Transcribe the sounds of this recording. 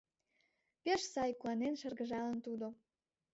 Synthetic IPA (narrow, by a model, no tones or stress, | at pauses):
peʃsɑjkuɑnenʃərɣəʒɑlənt̪ud̪o